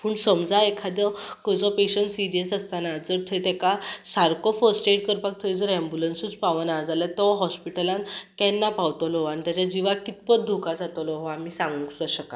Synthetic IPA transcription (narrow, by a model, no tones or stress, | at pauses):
puːɳsəmd͡zaekʰad̪ɔkəd͡zɔpeɕənsiɾijəsəst̪anad͡zəɾt̪ʰɔjt̪ɛkasaɾkɔfəɾsʈeʈkəɾpak̚t̪ʰɔid͡zəɾɛ̃mbulənsut͡spaʋənad͡zalat̪ɔɦɔspiʈəlankɛnːapaʋt̪ɔlɔanit̪jat͡ɕad͡ʑiʋakit̪pət̪̚d̪ʱukad͡zat̪ɔlɔɦɔamiːsãŋɡuŋksəɕəka